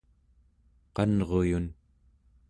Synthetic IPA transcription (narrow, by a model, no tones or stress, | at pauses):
qɑnʁo̞jun